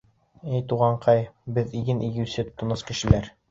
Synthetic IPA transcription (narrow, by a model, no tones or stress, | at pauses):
ɘjt̪uʁɑɴqɑjbɘðiɡɘnʔiɡɘ̆wsɘ̆t̪ːŏnɤskɘ̆ʃɘ̆læɾ